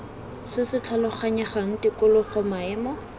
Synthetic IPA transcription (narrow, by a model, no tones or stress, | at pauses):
sɪsɪt͡ɬʰalʊχaɲɛχaŋ̩tɪkʊlʊχɔmaɛːmɔ